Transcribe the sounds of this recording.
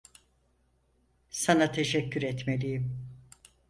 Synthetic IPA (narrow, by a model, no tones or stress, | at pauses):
sanat̪ʰe̞ʃɛcʰːyɾɛt̪me̞lʲijim